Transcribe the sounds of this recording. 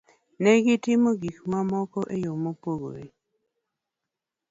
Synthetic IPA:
nɛɡɪtɪmoɡikmamɔkɔʔejomopoɡo̰ɾi

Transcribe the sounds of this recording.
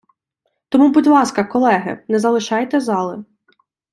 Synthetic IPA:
t̪ɔmubudʲlˠɑskɐkɔlˠɛɦɪ̰nɛzɐlˠɪʃɑjt̪ɛzɑlˠɪ

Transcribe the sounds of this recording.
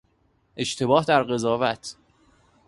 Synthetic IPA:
ʔe̞ʃt̪ʰe̞bɒːhd̪æɾɢe̞zɒːvæt̪ʰ

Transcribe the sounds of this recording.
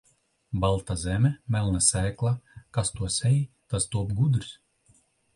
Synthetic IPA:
balˠt̪azɛmʲɛmʲɛlˠnasɛːklˠakast̪uɔsɛji | t̪ast̪uɔpɡud̪ɾs

